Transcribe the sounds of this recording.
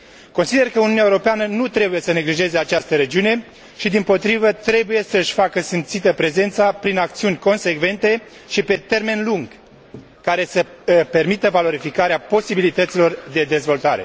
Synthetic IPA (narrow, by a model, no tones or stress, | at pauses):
ko̞nsid̪e̞rkəuniunjaeuɾo̞peanənut̪ɾe̞buje̞səne̞ɡliʒe̞ze̞at͡ʃast̪əɾe̞d͡ʒiune̞ | ʃid̪impo̞t̪ɾivət̪ɾe̞buje̞səɨʃʲfakəsimt̪sit̪əpɾe̞ze̞nt̪sapɾinakt̪siunʲko̞nse̞kve̞nt̪e̞ | ʃipe̞t̪e̞rme̞nluŋɡ | kaɾe̞səpe̞rmit̪əvalo̞ɾifikaɾeapo̞sibilit̪ət̪silo̞rd̪e̞d̪e̞zvo̞lt̪aɾe̞̰